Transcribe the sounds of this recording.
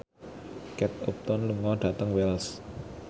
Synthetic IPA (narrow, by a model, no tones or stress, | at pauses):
kɛt̪̚op̚t̪ɔnluŋɔɖ̥ä̤t̪əŋwɛls